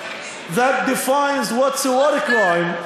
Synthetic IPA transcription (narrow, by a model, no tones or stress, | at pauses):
ðət̚dɨfãɪ̃nzwʌtsəwɔɾɨkɹãɪ̃m